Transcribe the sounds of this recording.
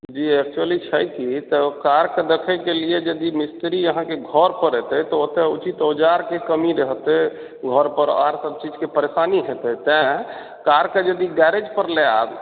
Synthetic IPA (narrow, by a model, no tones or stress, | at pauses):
d͡ʒiɛk̚t͡ʃuəlit͡ʃʰəjt̪ʰit̪ɔkaɾked̪ekʰəkelied͡ʒəd̪imist̪ɾiəɦãkeɡʱɔɾpəɾet̪ɛt̪ɔot̪eut͡ʃit̪od͡ʒaɾkekəmiɾeɦt̪ɛ | ɡʱɔɾpəɾa̰ɾsəb̚t͡ʃid͡ʒkepəɾesaniɦet̪ɛt̪ɛ̃ | kaɾked͡ʒəd̪iɡɛɾed͡ʒpəɾleab